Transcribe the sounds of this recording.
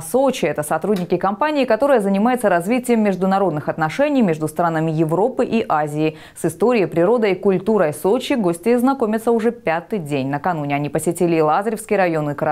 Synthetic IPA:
sot͡ɕɪɛt̪əsɐt̪ɾudʲnʲɪkʲɪkɐmpanʲɪːkɐt̪o̞ɾəjəzənʲɪmajʊt̪səɾɐzvʲitʲɪjəmːʲɪʐd̪ʊnɐɾo̞d̪nɨxɐt̪nɐʂɛnʲɪjmʲeʐd̪ʊst̪ɾanəmʲɪjɪvɾo̞pɨʔiʔazʲɪɪ | sɨst̪o̞ɾʲɪjəjpɾʲɪɾo̞d̪əikʊlʲt̪uɾəsot͡ɕɪɡo̞sʲtʲɪznɐko̞mʲɪt̪səʊʐɛpʲat̪ɨjdʲenʲnəkɐnunʲɪɐnʲipəsʲɪtʲilʲɪːlˠazɾʲɪfskʲɪjɾɐjo̞nɨkəɾɐ

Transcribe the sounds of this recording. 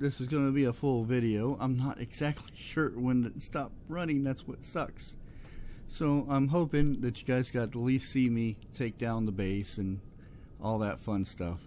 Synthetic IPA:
ðɪsɨzɡõnɨbiəfʊlˠvɪɾioʊʔã̰ɪ̃mnəɾʔɨ̰ɡz̥æk̚tʰˡliʃʊɹwə̃nɨstɑp̚ɹʌnɪ̃ŋðætswʌtsʌks | soʊãɪ̃mɦoʊpɪ̃ŋðɨt͡ʃɨɡaɪzɡɑt̚əlisimitʰeɪk̚d̥ãʊ̃nðəbeɪsɨ̃n | ʔɔlˠðətfʌ̃nstʌ̰f

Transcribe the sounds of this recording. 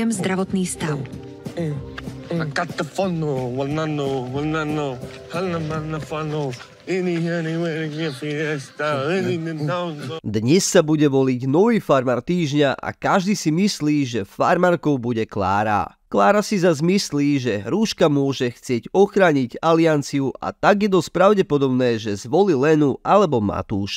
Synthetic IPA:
ɛmzd̪ɾaʋɔt̪niːst̪aʊ | akat̪ːafɔnːowɔnanowɔnano | hanːamanafano | iniɦɛniwɛɾiɲɛpiɾst̪aininɛnt̪and̪ɲɛsːabuɟɛʋɔliɟnɔʋiːfaɾmaːɾt̪iːʒɲaʔa̰kaʒd̪iːsimisliːʒɛfaɾmaːɾkɔʊbuɟɛkla̰ːɾa̰ | klaːɾasizazmisliːʒɛɾuːʃkamʊɔʒɛxt͡sɪɛɟɔxɾaːɲiɟaliant͡siuʔa̰t̪aɡjɛd̪ɔspɾaʊɟɛpɔd̪ɔbnɛːʒɛzʋɔlilɛnualɛbɔma̰t̪uːʃ

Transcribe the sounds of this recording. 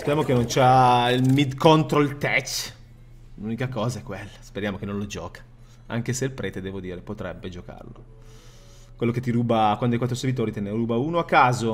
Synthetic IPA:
speɾjamokenont͡ʃailmid̪kont̪ɾolt̪ɛt͡ʃ | lunikakɔːzaɛkːwelːaspeɾjaːmokenõnlod͡ʒɔ̰ːkḁ | a̰ŋk̟eseilpɾɛːt̪ed̪ɛːvod̪iːɾepot̪ɾɛbːed͡ʒoka̰rlo̰ | kwelːoket̪ːiɾuːbakwand̪akwat̪ːɾoseɾvit̪oːɾit̪eneɾuːbauːnoakːaːzo

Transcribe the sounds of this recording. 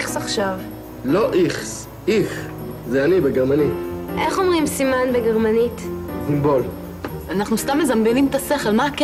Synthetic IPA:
saχʃav | loʔiχs | iχzeanibeɡeʁmaniʔeχo̞mʁimsimanbeɡeʁmanitzimbol | anaχnust̪amːe̞zambenimet̪ase̞χelmak

